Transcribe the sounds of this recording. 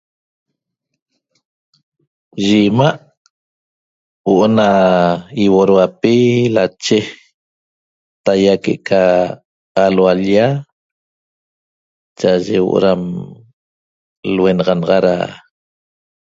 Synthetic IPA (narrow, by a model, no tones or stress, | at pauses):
ʒimaʔ | woʔona | iwoɾwapilat͡ʃe | t̪ajakeʔkʰaː | lwalja | t͡ʃaʒewo̰ʔo̰ɾam | lwenɑʁɑnɑʁɑɾa̰